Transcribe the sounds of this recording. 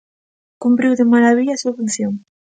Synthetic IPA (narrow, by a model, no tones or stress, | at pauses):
kumpɾiwðemaɾaβiʎasuɐβen̟θjoŋ